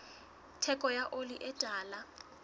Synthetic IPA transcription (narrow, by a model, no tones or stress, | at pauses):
tʰɛkʼɔjaʔoliʔɛtʼaːla